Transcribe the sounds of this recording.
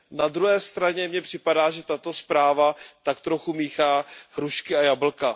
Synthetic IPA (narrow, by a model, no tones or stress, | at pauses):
nad̪ɾuɦɛːst̪ɾaɲɛmɲɛpr̝̥ɪpadaːʒɛt̪at̪o̞spɾaːvat̪akt̪ɾo̞xumiːxaːɦɾuʃkɪajabl̩ka